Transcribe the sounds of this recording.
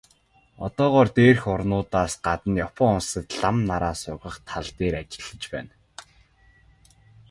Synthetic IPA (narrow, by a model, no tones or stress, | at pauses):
ɔ̰t̪ɔːʁɔːrt̪eːrxʊrnʊːt̪aːsɢat̪ə̆njɔpɔːʊnsə̆t̪ɮamnaɾaːsʊʁə̆χt̪ʰaɮt̪eːɾat͡ɕɪ̆ɮə̆t͡ɕpæ̰ːn